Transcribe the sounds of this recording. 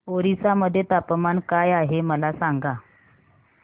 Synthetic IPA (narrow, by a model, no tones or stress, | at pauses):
oɾisaməd̪ʱːjet̪apəmankajaɦeməlasaŋɡa